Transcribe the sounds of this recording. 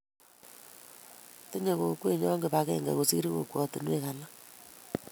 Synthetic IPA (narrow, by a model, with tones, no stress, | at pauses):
te˦ɲe˨ko˨kwe˦˨ɲɔ˦ŋɡe˨pa˦kɛ˦ŋɡa̰˨ɣo˨si˦ɾi˦ɣo̰˨kwɔ˨ti˨nwe˦ka˨la˦